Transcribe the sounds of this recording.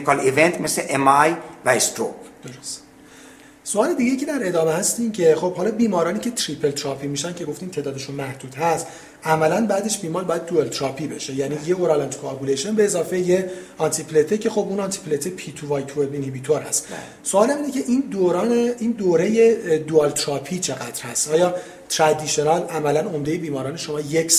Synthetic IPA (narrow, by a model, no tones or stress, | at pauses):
kʰɑlevent̪mesleʔemɑjvæest̪ɾo̰pd̪̥o̞ɾost̪ | soɒːle̞d̪iɟejicʰed̪æɾe̞d̪ɒːmehæst̪iːmcʰe̞xob̥hɒːlɒːbiːmɒːɾɒːniːcʰe̞t̪ʰɾipʰelt̪ʰɾɒːpʰimiːʃæncʰe̞ɡo̞ft̪iːmt̪ʰeːd̪ɒːd̪eʃunmæhd̪̥uːd̪̥hæst̪ | ʔæmælænbæːd̪e̞ʃbiːmɒːlbɒːjæd̪d̪uelt̪ʰɾɒːpʰiːbeʃe̞jæniːjeoɾɑːlænt̪ʰu̥kʰɑːbuleʃenbeːzɒːfejeɒnt̪ʰipʰlet̪ʰecʰe̞xo̞bunɒnt̪ʰi̥pʰlet̪ʰepʰit̪ʰuvɒjt̪ʰuebinhibiːt̪ʰoɾhæ̰st̪ | soɒːlhæmiːnecʰe̞ʔind̪oːɾɒːneiːnd̪oːɾejed̪uɒlt̪ʰɾɒːpʰiːt͡ʃʰe̞ɣæd̪ɾhæst̪ʔɒːjɒː | t̪ʰɾæd̪iʃonɑlʔæmælænomd̪ejebiːmɒːɾɒːneʃo̞mɒːjecs